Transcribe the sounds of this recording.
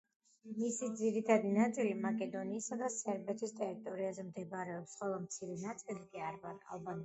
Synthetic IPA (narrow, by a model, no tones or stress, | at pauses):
misid̪ziɾit̪ʰad̪inat̪sʼilimakʼɛd̪ɔniːsad̪asɛɾbɛt̪ʰist̪ʼɛɾit̪ʼɔɾiazɛmd̪ɛbɾɛɔpsχɛlˠamt̪sʰiɾɛnat̪sʼilikʼiaɾvaɾʼa̰lˠban